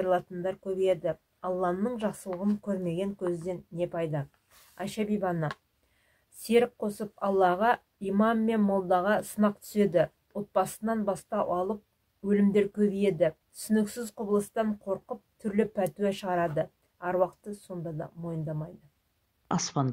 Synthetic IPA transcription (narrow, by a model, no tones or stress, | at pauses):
ɾlˠɑt̪ənd̪ɑɾkʲʰɵbʲejed̪ɪ | ɑlˠːɑnːəɴʒɑqsəlˠəʁənkʲʰɵɾme̞ɡʲe̞ŋkʲʰɵzɪd̪e̞nːe̞pʰɑjd̪ə | æʃæbijbɑnə | se̞ɾɪk̚qʰo̞səpɑlˠːɑʁɑ | ijmɑmːe̞nmolˠd̪ɑʁɑsənɑq̚t̪ʰʏ̥se̞d̪ɪ | wo̞t̪̚pɑsənɑnbɑst̪ɑʔɑlˠəp̚ | wɵlɪmd̪e̞ɾkʲʰɵbʲije̞d̪ɪ | sʏnɪksɪzqʰʊbəlˠəst̪ɑɴqʰo̞ɾqəp̚t̪ʰʏɾlɪpʰæt̪uweʃəʁɑɾɑd̪ə | æɾwɑqt̪əso̞nd̪ɑd̪ɑ̰mo̞jənd̪ɑmɑjd̪ə | ɑ̰spɑn